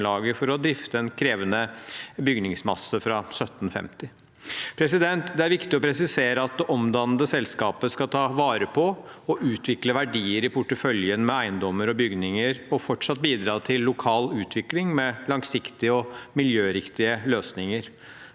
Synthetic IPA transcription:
lɑːɡəfɔɾɔd̪ɾɪft̪əɛnkʰɾeːʋənəbʏɡnɪŋsmɑ̰səfɾɑsœt̪ːn̩fɛ̰mt̪ɪ | pʰɾɛsɪd̪ɛnt̪d̪ɛæɾʋɪkt̪ɪɔpʰɾɛsɪseːɾəɑt̪̚d̪ɛʔɔmd̪ɑnəd̪əsɛlskɑːpəskɑt̪ʰɑːʋɑːɾəpʰɔɔʔʉːt̪ʰʋɪkləʋæɖiːəɾɪpʰʊʈːəfœljənmɛæɪnd̪ɔmːəɾɔbʏɡnɪŋəɾɔfɔʈʂɑt̪̚ːbiːd̪ɾɑːt̪ʰɪlːʊkʰɑːlʉːt̪ʰʋɪklɪŋmɛlɑŋsɪkt̪ɪəɔmɪljøːɾɪkt̪ɪəløːsnɪŋəɾ

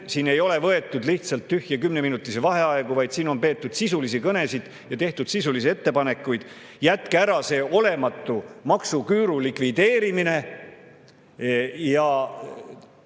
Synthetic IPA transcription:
siːne̞jo̞le̞vɤe̞t̪ːˑud̪liht̪sɑlt̪ːyhjɑkymneminut̪ːˑisevɑɦe̞ɑeɡ̥uvɑjd̪siːno̞npe̞ːt̪ːˑud̪̥sisulisikɤne̞sid̪̥ | jɑt̪e̞ht̪ud̪̥sisulisie̞t̪ːe̞pɑne̞kːˑujd̪̥jæt̪kæɾɑse̞ːʔo̞le̞mɑt̪ːˑumɑksukyːɾulikvid̪̥e̞ːɾimine̞ | jɑ

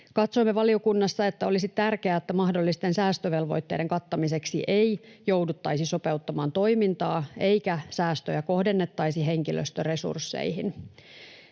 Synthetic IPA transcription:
kɑt̪soimːeʋɑlio̞kunːɑsːɑe̞t̪ːæo̞lisit̪ærkeæet̪ːæmɑhdolːist̪e̞nsæːst̪øʋe̞lʋo̞̰jt̪ːe̞̰de̞ŋkɑt̪ːɑmise̞ksiʔejjo̞wdut̪ːɑjsiso̞pe̞ut̪ːɑmɑːnt̪o̞jmint̪ɑːe̞jkæsæːst̪øjæko̞hde̞nːe̞t̪ːɑjsiɦe̞ŋkilø̰st̪øre̞sṵrsːḛjɦin

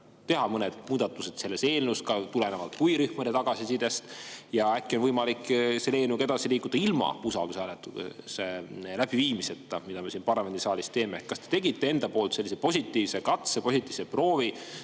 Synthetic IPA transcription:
t̪e̞ɦɑmɤned̪̥̚muːd̪̥ɑt̪ːˑuse̞t̪se̞lːe̞se̞ːlnuskɑt̪ulenevɑlt̪̚kujɾyhmɑd̪et̪ɑɡ̥ɑsisid̪est̪jɑækːˑio̞nvɤjmɑliksele̞ːnuɡɑe̞d̪ɑsiliːkːˑud̪̥ɑilmɑ̰usɑ̰ld̪usæːlet̪ːuselæb̥iviːmise̞t̪ːˑɑmid̪̥ɑme̞sinpɑrlɑme̞nd̪isɑːlist̪e̞ːmeehkːɑst̪e̥t̪e̞ɡit̪ˑːe̞e̞nd̪ɑpoːlt̪se̞lːisepo̞sʲit̪ːˑiːvsekɑt̪sepo̞sit̪ʲˑːiːv̥sepro̞ːvi

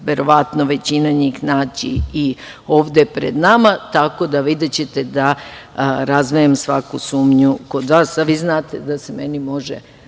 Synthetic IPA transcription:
ʋe̞ɾo̞ʋat̪noʋe̞t͡ɕinaɲixnaːt͡ɕḭi | o̞ːʋd̪epɾḛd̪namat̪ako̞d̪aʋid̪et͡ɕe̞t̪e̞d̪a | ɾazʋiemsʋakusuːmɲuko̞d̪ʋaːsaʋiːznaːt̪e̞d̪asemenimo̞ʒḛ

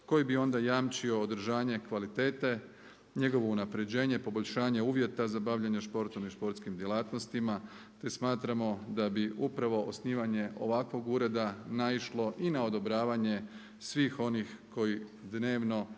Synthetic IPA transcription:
ko̞jibio̞nd̪ajaːmt͡ʃio̞ːd̪ɾ̩ʒaːɲe̞kʋalit̪e̞ːt̪e̞ | ɲe̞ɡo̞ʋo̞unapɾe̞d͡ʑe̞ːɲepo̞bo̞ʎʲʃaːɲe̞uːʋje̞t̪azabaʋʎaɲaʃpo̞ɾt̪omiʃpo̞ɾt̪skimd̪je̞lˠaːt̪nost̪ima | t̪e̞smaːt̪ɾamo̞d̪abiupɾaʋo̞ʔosniːʋaɲe̞ʔo̞ʋakʋo̞ɡuːɾe̞d̪anaiʃlo̞ʔinao̞d̪o̞bɾaːʋaɲe̞ | sʋiːxo̞nixko̞jid̪ne̞ːʋno̞

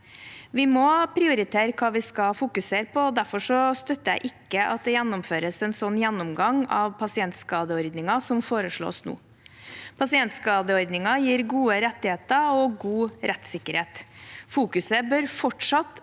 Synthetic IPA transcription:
ʋɪmɔpʰɾɪʊɾɪt̪ʰeːɾəkʰɑːʋɪskɑfʊkʉseːɾpɔd̪æɾfɔʂɔst̪œt̪ːəjæɪʔɪkːəʔɑ̰t̪̚d̪ɛjɛnːʊmføːɾəsɛnsɔnːjɛnːʊmɡɑŋɑʋpʰɑsɪɛnt̪skɑːd̪əɔɾd̪nɪŋɑsɔmfoːɾəʂɭo̰ːsnṵː | pʰɑsɪɛnt̪skɑːd̪əɔɾd̪nɪŋɑjiːɾɡuːəɾɛt̪ːɪheːt̪əɔɡuːɾʔɛt̪sɪkːəɾheːt̪fuːkʉsəbœɾfɔʈʂɑt̪

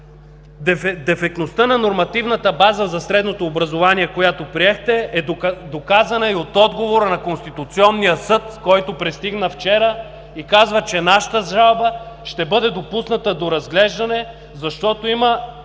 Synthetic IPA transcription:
d̪ɛfɛk̚t̪nost̪ənɐnoɾmɐt̪ivnət̪əbazəzɐsɾɛd̪not̪oːbɾɐzovaniɛkojat̪opɾiɛxt̪ɛɛd̪okazɐnəiot̪ɔd̪ɡovoɾənɐkonst̪it̪ʊt̪siɔnːijəsɤt̪kɔjt̪opɾɛst̪iɡnəft͡ʃɛɾə | ikazvət͡ʃɛnaʃə̥t̪əzʒalˠbə | ʃt̪ɛbɤd̪ɛd̪opusnɐt̪əd̪oɾɐzɡlɛʒd̪ɐnɛ | zɐʃt̪ɔt̪oimə

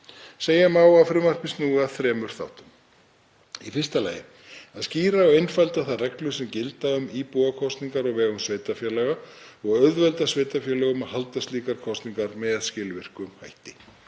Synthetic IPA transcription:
seːjamaːwafɾʏmar̥pɪnsnuːɣaθɾɛːmʏɾ̥θa̰wht̪ʏm | ifɪr̥st̪ala̰ːjɪ̰ | aðsciːɾaɔwejnfajlt̪aθaðrɛklʏsɛmcɪlt̪aʏmiːpuːɣakʰɔst̪niŋkaɾɔɣvɛːɣʏmsveːjt̪afjɛːlɛɣaɔɣœɥðvɛlt̪asveːjt̪afjɛlɛɣʏmahalt̪ast̪liːkaɾkʰɔst̪niŋkaɾmɛðaðscɪːlvɪr̥kʏmhajht̪ɪ

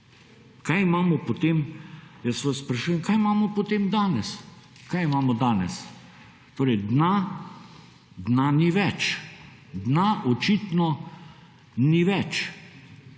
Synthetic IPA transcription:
kajimaːmɔpɔt̪emjasʋasspɾɐʃujɛmkajimaːmɔpɔt̪eːmd̪aːnɛs | kajimaːmɔd̪aːnɛs | t̪oːɾɛjd̪na | d̪naniʋɛt͡ʃ | d̪naʔɔt͡ʃit̪nɔ | niʋɛt͡ʃ

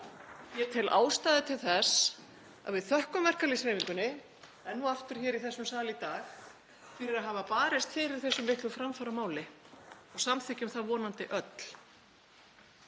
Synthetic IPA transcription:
çjɛɾt̪ʰɪlʔa̰ːwst̪aːðɪt̪ʰɪlθɛs | a̰ðvɪðθœhkʏmvɛr̥kalɪsɾeːjmiŋkʏnːɪ | ɛnːuaft̪ʏɾ̥çɛːɾiθɛsːʏmsaːlɪt̪aːx | fɪɾɪɾaðɦaːvapaːɾɪst̪fɪɾɪɾ̥θɛsːʏmːɪhk̪lʏfɾamfaɾamaːwlɪɔɣsamθɪcɪʏmθaðvɔːnant̪ɪʔœt̪l̥

